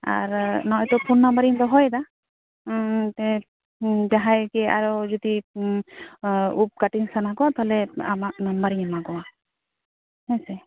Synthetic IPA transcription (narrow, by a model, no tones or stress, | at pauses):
a̰ɹnawjt̪ɔpʰunːambaɾint̪ɔɦɔjd̪a | t̪ɛ | d͡ʒaɦajkɛa̰ɾɔd͡ʒɔd̪i | up̚kaʈiŋsanakɔwat̪aɦlɛa̰mak̚nambaɾiɲamaɡɔwa | hɛsɛ